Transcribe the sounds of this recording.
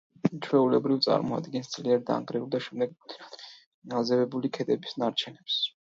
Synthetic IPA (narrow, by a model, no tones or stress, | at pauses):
t͡ʃʰwɛulɛbɾivt̪sʼa̰ɾmɔa̰d̪ɡɛnsd̪z̥liaɾd̪a̰ŋɡɾɛulˠd̪aʃɛmd̪ɛɡ | azɛvɛbulikʰɛd̪ʼɛbisnaɾt͡ʃʰɛnɛps